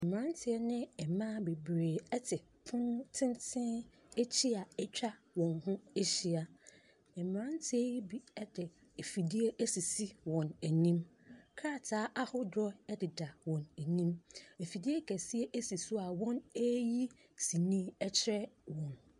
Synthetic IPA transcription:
ɛ˨m˨ã˦n˦tʰɪ˦ɛ˦nɪ̃˦ɛ˨mã˦be˨bɾeː˨ɛ˦tʰɪ˨ | pʰʊ̃˦nʊ̃˦tʰɪ̃˦ntʰɪ̃˦n | e˦t͡ɕʰi˦a˨ɛ˦t͡ɕᶣa˦ | wɔ̃˨nɦʊ̃˦e˦ɕi˦a˨ | ɛ˨mã˦n˦tʰɪ˦ɛ˦ji˦bi˦ɛ˦dɪ˨ | e˨fi˨di˦e˦ʔæ˦si˨si˦wɔ̃˨næ˨nĩ˦mkʰa˦˨tʰaː˨˦ʔa˦hʊ˦dɾɔ˦ɛ˦dɪ˨da˨wɔ̃˨næ˨nĩ˦me˨fi˨di˦e˦kʰæ˨si˦e˦ʔæ˦si˨sʊ˦a˨wɔ̃˦ne˦ji˦ | si˨nĩː˦ɛ˦t͡ɕʰɪ˦ɾɛ˦wɔ̃˨n

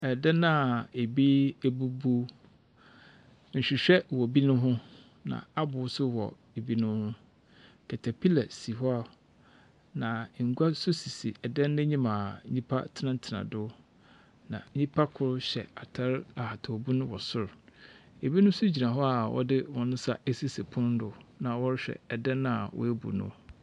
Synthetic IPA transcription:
ɛ˨dɛ˦nã˦˨e˨bi˦æ˦bu˦bu˦ | ɲ̩˨ɕᶣi˨ɕᶣɛ˦wɔ˨bi˦nʊ̃˦ɦʊ̃˦ | nã̰˨a˦bʊ˨˦sʊ˦wɔ̰˨ | e˨bi˦nʊ̃˦hʊ̃˦ | kʰɛ˨tʰa˨pʰi˦la˨si˨ɦɔ˦a˦˨ | nã˨ŋ̩˨ɡu˦a˦sʊ˦si˨si˨ɛ˨dɛ̃˦nː˦ɛ̃˦ɲĩ˦mã˨˦ɲĩ˦pʰa̰˦tʰɪ˦nã˦n̩˦tʰɪ˨nã̰˨dʊ˦ | nã̰˨ɲĩ˦pʰa˦kʰʊ˨ɾʊ˦ɕɛ̰˨a˨tʰa˦ɾa˨ha˨tʰa˨o˨bu˦nʊ̃˦wɔ˨sʊ˦˨ɾ | e˨bi˦nʊ̃˦sʊ˦d͡ʑi˨nã˨ɦɔ˦a˨wʔɔ̰˦dɪ˦wɔ̃˨nʊ̃˦sa˦æ˦si˦se˨pʰʊ̃˦n˦dʊ˨nã˨wɔ˦ɾɪ˦ɕᶣɛ̰˨ɛ˨dɛ̃˦nːã˦a˨wɔ̰˦e˦bṵ˨nʊ̰̃˦

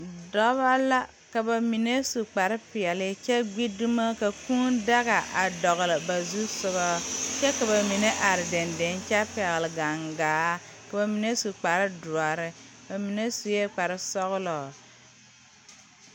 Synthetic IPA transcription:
dɔ˦βa˦la˦ | ka˨ba˨mi˨ne˦su˨k͡pa˨ɾɪ˦pɪ˨ɛ˨lɪ˦t͡ʃɛ˦ɡ͡bi˦du˦ma˦ka˨kũ˦nda˦ɣa˨ʔa˨dɔ˨ɣʊ˨lɪ˨ba˨zu˦sʊ˦ɣɔ˦t͡ʃɛ˦ka˨βa˨mi˨ne˦ʔa˨ɾɪ˨dɪ˨ndɪ˨˦n˦t͡ʃɛ˦pɛ˨ɣɪ˨lɪ˨ɡa˨ŋɡaː˨˦ka˨ba˨mi˨ne˦su˨k͡pa˨ɾɪ˦dʊ˨a˨ɾɪ˦ | ba˨mi˨ne˦su˨je˦k͡pa˨ɾɪ˦sɔ˦ɣʊ˦lɔ˨

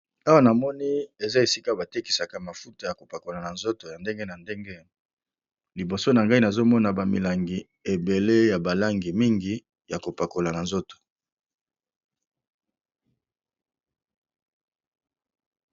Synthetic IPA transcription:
a˦wa˦na˨mɔ˦ni˦e˨za˦e˨si˦ka˦ba˨te˦ki̥˨sa˨ka˨ma˨fu˦ta˨ja˨ko˨pa˨ko˨la˨na˨nzo˦to˨ja˨nde˦ŋɡe˦na˨nde˦ŋɡe˦ | li˨bo˨so˦na˨ŋɡa˦i˦na˨zo˦mɔ˦na˨ba˨mḭ˨la˨ŋɡi˨ | e˨be˨le˦ja˨ba˨la˦ŋɡi˨mi˦ŋɡi˦ | ja˨ko˨pa˨ko˨la˨na˨nzo˦to̥˨

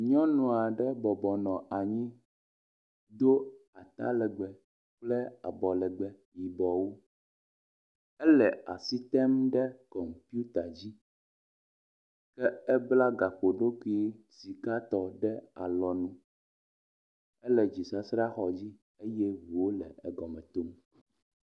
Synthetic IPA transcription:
ɲɔ̃˦nũ˨a˨ɖɛ˦bɔ˨bɔ˨nɔ̃˨a˨ɲĩ˦ | d̪o˦a˨t̪a̰˦lɛ˨ɡ͡bɛ˨ | k͡plɛ˦a̰˨bɔ˨lɛ˨ɡ͡bɛ˨ | ji˨bɔ˨wo˦ | ɛ˦lɛ˨a̰˨si˦t̪ɛ˦mɖɛ˦kɔ˨m˨pu˦t̪a˨d͡ʑi˦ | kɛ˦ɛ˦bla˦ɡa˨ɸo˨ɖo˦ku˦i˦˨ | si˨ka˦t̪ɔ˨ɖɛ˦a̰˨lɔ˨nũ˦ | ɛ˦lɛ˨d͡ʑi˨sa˦sɾa˦xɔ˨d͡ʑi˦ | e˦jɛ˦vu˨wo˦lɛ̰˨ɛ˨ɡɔ˨mɛ̃˨t̪o˦m

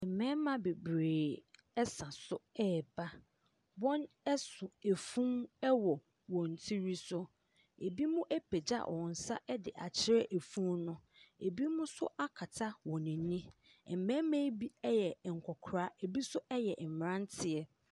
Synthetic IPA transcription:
ɛ˨m̩˨mɛ̃˦mã˨be˨bɾeː˨ | ɛ˦sã˨sʊ˦ɛː˦˨ba˦ | bɔ̃˦n | ɛ˦sʊ˨e˨fũ˦mɛ˦wɔ˨ | wɔ̃˨n̩˨tʰi˦ɾi˦sʊ˦ | e˨bi˦mʊ̃˦ʔɛ˦pʰɛ˨d͡ʑa̰˦ʔɔ̰˨n̩˨sa̰˦ʔɛ˦dɪ˨ʔa˨t͡ɕʰɪ˦ɾɛ˦ʔe˨fũ˦mnʊ̃˦e˨bi˦mʊ̃˦sʊ̰˦ʔa˦kʰa˨tʰa˦wɔ̃˨nĩ˨nĩ˦ | ɛ˨m̩˨mɛ̃˦mẽ˦bi˦ɛ˦jɛ˨ŋ̩˨kʷʰɔ˨kʰɾaː˨˦e˨bi˦sʊ˦ʔɛ˦jɛ˨m˨ɾã˦n˦tʰɪ˨ɛ˨

